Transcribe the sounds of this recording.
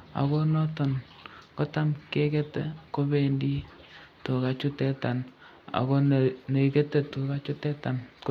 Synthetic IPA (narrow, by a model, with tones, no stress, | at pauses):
a̰˨kɔ˦nɔ˦tɔ˨nkɔ˦ta˦mke˦ke˦tḛ˨ko˦be˦˨ndi˦to˨ka˨t͡ʃu˦tɛ˦ta˨n | a̰˨kɔ˦ne˨i˨ke˦te˨tu˨ka˦t͡ʃʊ˦tɛ˦ta˨nk